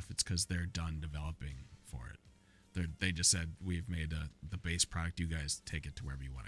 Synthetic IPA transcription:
fɨtskʰʌzðə˞dʌ̃ndɨvɛlˠəpɪ̃ŋfə̰˞ɪ̰t̪̚ | ðə˞ðeɪd͡ʒʌstsɛd̚wiɨvmeɪd̪̚əðɨbeɪspʰɹ̥ɑɾɨk̚tjɨɡaɪz̥tʰeɪkɨtʰəwə˞ɛvəjɨwɑ̰̃ñ

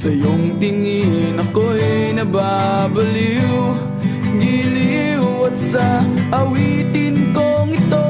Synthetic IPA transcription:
sɐjoŋt̪ɪŋinɐkoɛnɐbaː | bɐliw | ɡili | ɐt̪sɐʔɐwiːt̪ɪnkoŋɪt̪o

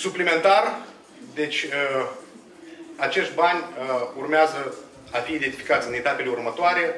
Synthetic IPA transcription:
suplime̞nt̪ar | d̪e̞t͡ʃʲ | at͡ʃe̞ʃt̪̚ʲbanʲurmeazə | afiːd̪et̪ifikat̪sʲɨne̞t̪ape̞leurmət̪oaɾe̞

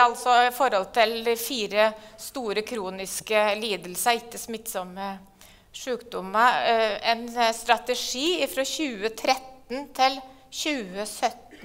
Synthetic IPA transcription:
ɑlsɔɪfɔɾhɔlt̪ʰɪlfiːɾəst̪uːɾəkʰɾuːnɪskəliːd̪əlsəɪk̪ːəsmɪt̪ːsɔmə | ʂʉːkd̪ʊməɛnst̪ɾɑt̪əʂiːɪfɾɔɕʉːət̪ʰɾɛt̪ːnt̪ʰɪl | ɕʉːəsœt̪n

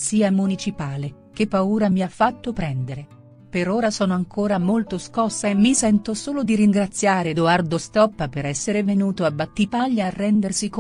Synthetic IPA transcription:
siːamunit͡ʃipaːle | k̟epːauːɾamiafːat̪ːopɾɛnd̪eɾe | peɾoːɾasɔːnoaŋkʰoːɾamolt̪oskɔsːaemisɛnt̪osoːlod̪iɾiŋɡɾat̪sːjaːɾed̪oard̪ost̪ɔpːapeɾɛsːeɾevenuːt̪oabːat̪ːipaʎːarːɛnd̪ersik

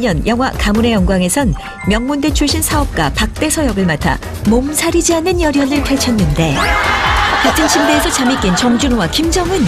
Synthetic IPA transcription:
ʌnjʌŋɦwakamune̞jʌŋɡwaŋe̞sʰʌn | mjʌŋmunde̞t͡ɕʰuɭɕ͈ʰinsʰaʌp̚k͈wapak̚t͈e̞sʰʌjʌɡɯɭmatʰa̰ | momsʰaɾid͡ʑianːɯnjʌɾjʌnɯɭtʰaɭt͡ɕʰʌnːɯnde̞ | tetʰɯnɕʰimdeːsʰʌt͡ɕamik͈ent͡ɕʌŋd͡ʑunwakimd͡ʑʌŋɯn

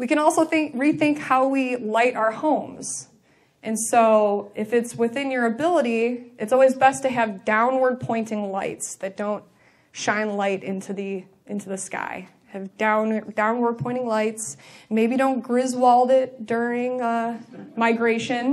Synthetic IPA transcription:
wikɨ̃ɾ̃ɔlˠsoʊθɪ̃ŋkɹiθɪ̃ŋkhaʊwilaɪɾaʊə˞hõʊ̃mz̥ | ʔɨ̃nsoʊɪfɨtswɨθɪ̃njə˞ɨbɪlˠəɾiʔɨtsɔlˠwizbɛstɨɨvdãʊ̃nwə˞d̚pʰɔ̃ɪ̃ntɪ̃ŋlaɪtsðɨt̚d̥õʊ̃nt̚ | ʃãɪ̃nlaɪɾʔɪ̃ntʰʉði | ʔɪ̃ntʉðɨska̰ɪ | ɨvdãʊ̃ndãʊ̃nwə˞d̚pʰɔ̃ɪ̃ɾ̃ɪ̃ŋlaɪtsmeɪbiɾõʊ̃nɡ̥ɹɪzwɔlˠdɪt̚d̥ʊ˞ɪ̃ŋʌmaɪɡɹeɪʃɨ̃n

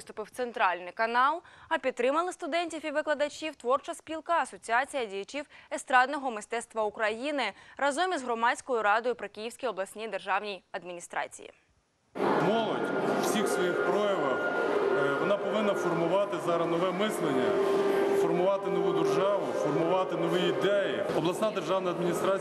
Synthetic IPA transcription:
st̪ʊpɪwt̪sent̪ɾɑlʲnɪjkɐnɑlˠɐpʲid̪̚ːɾɪmɐlˠɪst̪ʊd̪ɛnʲtʲifiʋɪklˠɐd̪ɐt͡ʃʲiwt̪ʋɔrt͡ʃɐsʲpʲilˠkɐɐsɔt͡sʲiɑt͡sʲijɐdʲijɐt͡ʃiwest̪ɾɑd̪nɔɦɔmɪst̪ɛt̪st̪ʋɐukɾɐjinɪɾɐzɔmʲizɦɾɔmɑsʲkɔjʊɾɑd̪ɔjʊpɾɪkɪjiwsʲkʲijɔblˠɐsʲnʲid̪erʒɑwnʲijɐd̪mʲinʲist̪ɾɑ̰t͡sʲḭjḭ | mɔlˠɔdʲw̥sʲixsʋɔjixpɾɔjɐʋɐw | ʋɔnɑpɔʋɪnːɐfɔrmʊʋɑt̪ɪzɑɾɐnɔʋɛmɪslˠenʲːɐfɔrmʊʋɑt̪ɪnɔʋud̪erʒɑʋʊfɔrmʊʋɑt̪ɪnɔʋiid̪ɛjiɔblˠɐsnɑd̪erʒɑwnɐjɐd̪mʲinʲist̪ɾɑ

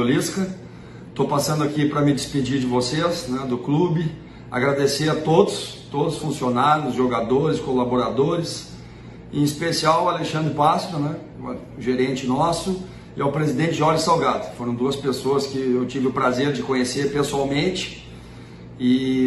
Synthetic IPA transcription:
oliskɐ | t̪opasɐ̃nd̪ʊakipɾɐmɪd͡ʒɪsped͡ʒiɾd͡ʒɪvosesnɛd̪ʊklubɪ | a̰ɡɾad̪eseɾɐt̪od̪ʊst̪od̪ʊsfũsionaɾjʊzʒoɡad̪oɾɪskolaboɾad̪oɾɪs | ḛ̃ispesiawaleʃɐ̃nd̪ɾɪpasɾʊnɛ | ʒeɾẽnt͡ʃɪnɔsʊ | ɪaʊpɾezid̪ẽnt͡ʃɪʒɔɾʒɪsawɡat̪ʊ̥foɾɐ̃w̃d̪uɐspesoɐskɪewt͡ʃivɪʊpɾazeɾd͡ʒɪkõɲeseɾpesuawmẽnt͡ʃɪ̥ | ɪ

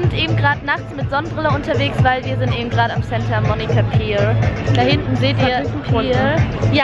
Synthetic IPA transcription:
ɪntʔeːbm̩ɡʁaːdənaχt͡smɪtz̥ɔnbʁɪlɐʊntɐveːksv̥aɪlviːɐzɪntʔeːbm̩ɡʁaːɾamsɛntɐmɔnikapʰiːd̥ahɪntn̩zeːtiːɐpː | ja

